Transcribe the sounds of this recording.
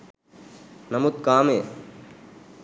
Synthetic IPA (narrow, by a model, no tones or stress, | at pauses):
nɐmʊt̪̚kaːmeː